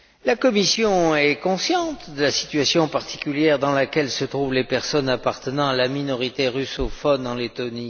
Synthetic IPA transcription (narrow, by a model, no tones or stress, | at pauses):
lakɔmisjɔ̃ɛkɔ̃sjɑ̃t̪d̪əlasi̥t̪ɥasjɔ̃paʁt̪ʰi̥kʲyljɛʁd̪ɑ̃lakʲɛlsət̪χuvlepɛʁsɔnapaʁt̪ənɑ̃alaminɔʁit̪eʁysɔfɔnɑ̃let̪ɔni